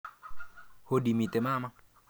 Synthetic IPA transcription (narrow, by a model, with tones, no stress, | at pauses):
ho˦di˨mi˨t̪e˨ma˦˨ma˦